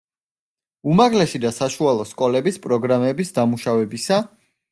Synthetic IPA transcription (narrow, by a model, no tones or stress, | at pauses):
umaɡlɛʃid̪asaʃualˠɔskʼɔlɛbispʼɾɔɡɾamɛbisd̪amuʃavɛbisa